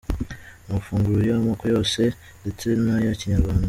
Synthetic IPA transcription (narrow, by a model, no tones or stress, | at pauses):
mafuːŋɡulojomakojose | ndet͡senajaciɲaɾwaːnda